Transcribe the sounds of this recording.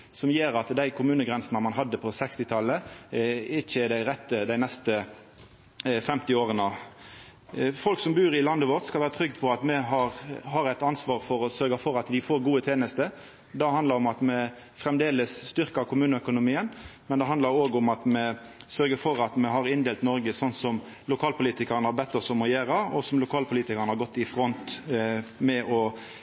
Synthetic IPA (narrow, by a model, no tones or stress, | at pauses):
sɔmjeːɾɑt̪d̪æɪkʰʊmʉːnəɡɾɛnsənəmɑnɦɑd̪ːəpʰɔsɛkst̪ɪt̪ʰɑlːə | ɪɪçəɪd̪æɪɾɛt̪ːəd̪æɪnɛst̪ə | fɛmt̪ɪoːɾənə | fɔlksɔmbʉːɾɪlɑnd̪əʋoːʁt̪skɑʋæːɾət̪ʰɾʏɡːpʰɔɑt̪mɛɦɑɾɦɑɾæɪt̪ɑnsʋɑːʁfɔɾɔsœɾɡɑfɔɾɑt̪d̪ɪfoːɾɡuːət̪ʰeːnəst̪ə | d̪ɛhɑnd̪lɑɾɔmɑt̪mɛ | fɾɛmd̪eːləsːt̪ʏʁkəɾkʰʊmʉːnəœkʊnʊmiːənmɛnd̪ɛɦɑnd̪ɑɾoːɡʊmɑt̪mɛsœɾɡəfɔɾɑt̪mɛɦɑɾɪnd̪eːlt̪nɔɾɡəsɔnsɔm | lʊkʰɑːlpʰʊliːt̪ɪkəɾənəhɑɾbɛt̪ːɔsɔmɔjeːɾɑɔsɔmlʊkʰɑːlpʰʊliːt̪ɪkəɾnəhɑɾɡɔt̪ːɪfɾɔnt̪ | mɛʔɔ